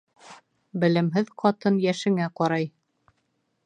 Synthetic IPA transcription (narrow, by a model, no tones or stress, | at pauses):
bɘ̆lɘ̆mɦɘðqʰɑt̪ɤnjæʃɘ̆ŋæqɒɾɑj